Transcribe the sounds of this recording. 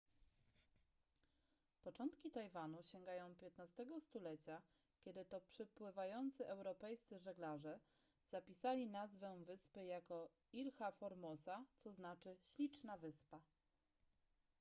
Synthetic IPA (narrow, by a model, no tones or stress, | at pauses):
pɔt͡ʂɔnt̪kʲit̪ajvanuɕɛŋɡajɔ̃w̃pʲjɛt̪nast̪ɛɡɔst̪ulɛt͡ɕa | kʲɛd̪ɘt̪ɔpʂɘpwɘvajɔnt̪sɘʔɛwɾɔpɛjst̪sɘʐɛɡlaʐɛ | z̥apʲisalʲinazvɛvɘspɘjakɔ | ilxafɔɾmɔsat̪sɔznat͡ʂɘɕlʲit͡ʂnavɘspa